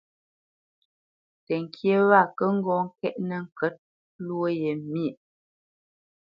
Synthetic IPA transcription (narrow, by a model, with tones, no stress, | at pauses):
tɛ˨ŋ˨kʰje˦wa˦˨kə˦ŋ̩˦ɡɔ˦ŋ̩˦kɛ˦ʔnə˨ŋ˨kə˦t̚ | lwo˦je˨mje˨